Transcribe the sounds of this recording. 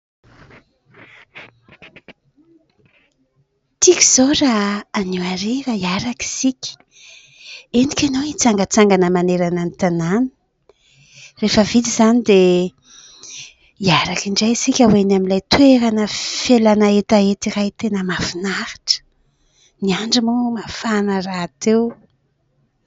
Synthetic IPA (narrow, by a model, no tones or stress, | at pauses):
t̪ikʲi̥z̥oraːniaɾiɾaiaɾaki̥sikʲi̥ | enikʲanoit͡saŋɡət͡saŋɡanəmaneɾananit̪anani̥ | refəvid̪iz̥anid̪e | iaɾakiɳɖ͡ʐajsikʲawenamilajt̪weɾanəfelanaet̪aet̪irajt̪enəmafinahi̥ʈ͡ʂə̥ | niaɳɖ͡ʐimumafanərat̪ew